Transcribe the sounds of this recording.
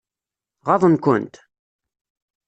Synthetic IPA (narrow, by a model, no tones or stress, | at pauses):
ʁɑðˤənkʊ̰nt̪